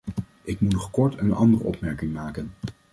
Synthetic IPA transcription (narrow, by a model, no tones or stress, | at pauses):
ʔɪkmutnɔχkɔɹtənɑ̰ndərə̰ʔɔpmɛɹkɪŋmaːkən